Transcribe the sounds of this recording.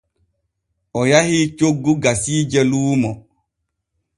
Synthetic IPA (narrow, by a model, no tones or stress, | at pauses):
ɔjahit͡ʃoɡːuɡasiːd͡ʒɛluːmɔ